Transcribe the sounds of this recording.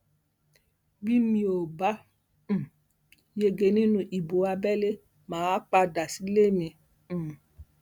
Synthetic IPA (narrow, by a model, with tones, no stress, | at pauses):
bi˦mĩ˧o˨bã˦˨ | je˧ɡe˧nĩ˦nũ˧ʔi˨bo˨˦a˧bɛ˦le˦ | mãː˨˦a˦k͡pa˧da˨si˦le˦mĩ˧˨